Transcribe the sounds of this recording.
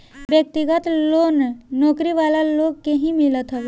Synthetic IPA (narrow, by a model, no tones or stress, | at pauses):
bjək̚t̪iɡət̪loːnːɔːkɾiʋaːlaloːɡ̚keɦĩmɪlət̪ɦoʋe